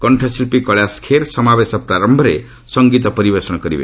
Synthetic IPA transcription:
kɔɳʈʰɔsilpikɔɭaskʰeɾsɔmabesɔpɾaɾɔmbʱɔɾe | sɔŋɡit̪ɔpɔɾibesɔɽ̃ɔkɔɾibḛ

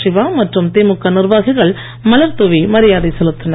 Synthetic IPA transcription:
ʂɪʋaːmɐʈrɯmt̪eːmɯkːɐnɪrʋaːɣɪɣɐɭ | mɐlɐɾt̪ɔʋimɐɾɪjaːðɐɪsɛlɯt̪ːɯnɐ

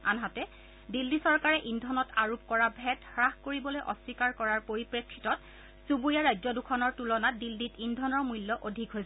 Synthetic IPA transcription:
a̰nɦatɛ | dilːisɔɹkaɹɛʔindʱɔnɔtʰaɹup̚kɔɹabʱɛtxɹaxkoɹibɔlojʔɔsikaɹkɔɹaɹpoɹipɹekʰːitɔt̚ | subuɹijaɹajzɔdukʰɔnɔɹtulɔnatdilːitindʱɔnɔɹmujlːɔʔodʱikɦojs

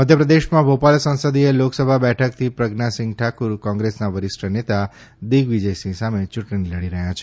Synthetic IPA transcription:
məd̪ʱjəpɾəd̪eʃmãbopalsə̃nsəd̪ieloksəbʱabɛʈʰək̚t̪ʰipɾəɡnasɪ̃ŋɡ̚ʈʰakuɾkɔ̃ŋɡɾesnaʋəɾɪsʈənet̪a | d̪iɡʋid͡ʒəjsĩsamet͡ʃuʈɽ̃iləɽiɾəɦjat͡ʃʰe̥

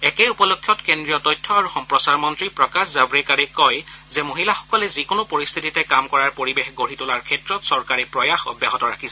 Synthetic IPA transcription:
ɛkejupɔlokʰːjɔtkendɹijɔtɔjtʰːɔaɹuxɔmpɹɔsaɹmɔntɹipɹɔkaszabɹikaɹɛkɔjzɛmoɦilaxɔ̥kɔlɛzikonʊpoɹist̪ʰititɛkamkɔɹaɹpoɹibexɡoɹitʊlaɹkʰɛtɹɔtsɔɹkaɹɛpɹɔjaxɔ̰bjaɦɔtɔɹakʰisɛ

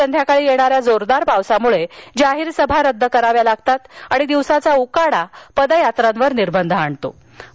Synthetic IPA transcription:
ənd̪ʱjakaɭiːjeɽ̃aɾjad͡zoɾd̪aɾpaʋsamuɭed͡ʑaɦiːɾsəbʱaɾəd̪ʱːəkəɾaʋjalaɡt̪at̪aɽ̃id̪iʋsat͡saukaɽapəd̪ajat̪ɾãnʋəɾniɾbənd̪ʱəaɳt̪o̰

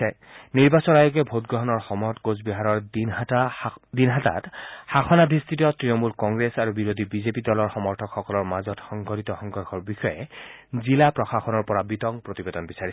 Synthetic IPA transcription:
ɛ | niɹbasɔnajuɡɛbʱotɡɹɔɦɔnɔɹxɔmɔjɔtɡozbiɦaɹɔɹ | dinɦata̰txaxʰɔnabʱist̪ʰitiɔtɹinɔmulkɔŋɡɹesaɹubiɹod̪ʱibizepidɔlɔɹxɔmɔɹtʰɔkʰxɔkɔlɔɹmazɔtxɔŋɡʱɔɾit̪ɔxɔŋɡʱɔɹxʰɔɹbixɔjɛ̰zilapɹɔxaxɔnɔɹpɔɹabit̪ɔŋpɹot̪ibed̪ɔnbisai

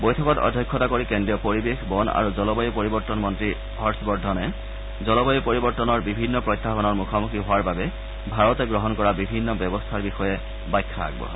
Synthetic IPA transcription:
bojtʰɔkɔtɔ̰dʱjɔjkʰːɔtakoɹikendɹijɔpoɹibexbɔna̰ɹuzɔlɔbɔjɔpoɹibɔɹtɔnmɔntɹi | hɔɹsbɔɹdʱɔnɛ | zɔlɔbɔjɔpoɹibɔɹtɔnɔɹbibʱinːɔpɹɔjtʰːapɔnɔɹmukʰɔmukiɦʊwaɹbabɛ | bʱaɹɔtɛɡɹɔɦɔnkɔɹabibʱinːɔbjɔbɔstʰaɹbixɔjɛ | bajkʰːaa̰ɡbɔ̰

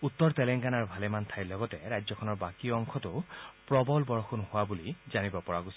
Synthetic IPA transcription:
ut̪ːɔɹtɛlɛŋɡanaɹbʱalɛmant̪ʰajlɔɡɔtɛɹajzɔkʰɔnɔɹbakiɔŋkʰɔtʊpɹɔbɔlbɔɹɔxunhʊwabulizanibɔpɔɹaɡosi

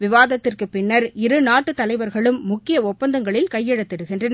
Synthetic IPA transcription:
ʋɪʋaːðɐt̪ːɪrkɯpɪnːɐɾɪɾɯnaːʈːɯt̪ːɐlɐɪʋɐɾɣɐɭɯmːʊkːɪjɐɔpːɐnd̪ɐŋɡɐɭɪlkɐjːɛɽɐt̪ːɪɽɯɣɪndrɐn

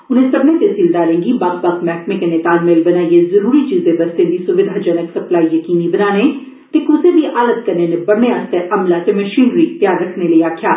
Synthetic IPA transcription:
ʊnẽːsəbnẽːt̪eːsiːld̪aːɾẽːŋɡiːbaɡbakmɛːkmẽkeneːt̪aːlmeːlbənaːiezəɾuːɾiːt͡ʃiːzd̪eːbəst̪ẽːd̪iːsʊʋɪd̪ʱaːd͡ʒənəksəplaːiːjəkiːniːbənaːneː | t̪eːkʊseːd̪iːʔʔaːləd̪̚kəɾneːneːbəɽneːəst̪eʔəmlaːt̪eːməʃiːnɾiːt̪jaːɾɾəkʰneːləiːaːkʰjaː

